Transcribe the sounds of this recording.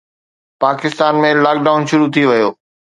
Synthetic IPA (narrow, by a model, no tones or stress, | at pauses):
paːkɪst̪aːnmẽlaːk̚ɖaːʊnʃʊɾut̪ʰiʋɐjoː